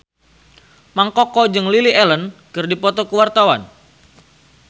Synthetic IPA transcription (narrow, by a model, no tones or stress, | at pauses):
maŋkɔkɔd͡ʒɨŋliliɛlənkɨrdipɔt̪ɔkəwart̪awan